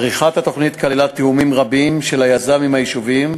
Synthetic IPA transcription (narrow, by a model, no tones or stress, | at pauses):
ʁiχat̪hat̪o̞χnit̪kalelat̪iumimʁabimʃelajazamimajiʃuvim